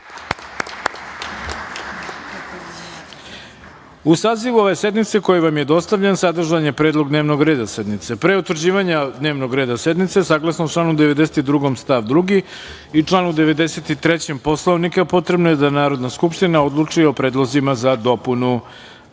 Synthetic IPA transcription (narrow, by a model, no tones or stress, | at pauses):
usaːziʋuo̞ʋe̞se̞d̪nit̪seko̞jiʋamje̞d̪o̞st̪aʋʎensad̪r̩ʒaɲje̞pɾeːd̪lˠo̞ɡd̪neʋno̞ɡɾe̞ːd̪ase̞d̪nit̪se̞pɾeut̪ʋr̩d͡ʑiːʋaɲad̪ne̞ːʋno̞ɡɾeːd̪ase̞d̪nit̪sesaːɡlˠasnoʈ͡ʂlˠaːnud̪eʋed̪e̞set̪id̪ɾuɡo̞mst̪aʋd̪ɾuɡi | it͡ʂlˠaːnud̪eʋe̞d̪ese̞t̪it̪ɾet͡ɕempo̞slˠoʋnikapo̞t̪ɾe̞bnojed̪anaːɾo̞d̪naskupʂt̪inao̞d̪lˠut͡ʂio̞pɾeːd̪lˠozimazad̪o̞punu